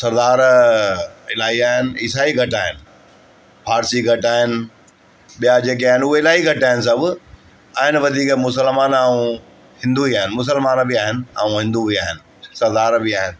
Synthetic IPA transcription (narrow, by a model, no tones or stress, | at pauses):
sɐɾd̪aːɾ | ɪlaːɦiaːɦɪnɪ̆ɪsaːiɡʱɐʈaːɦɪnɪ̆ | pʰaːɾsiɡʱɐʈaːɦɪnɪ̆ | ɓijad͡ʑeːk̬eaːɦɪnʊɦeɪlaːɦiɡʱɐʈaːɦɪnɪs̬ɐbʊ | aːɦɪnɪ̆ʋɐd̪ʱiːkmʊs̬əlmaːnaːũ | hɪ̃nd̪uiaːɦɪnɪ̆mʊs̬əlmaːnbɪaːɦɪnɪ̆a̰ːũɦɪ̃nd̪uiaːɦɪnɪ̆sɐɾd̪aːɾbiaːɦɪnɪ̆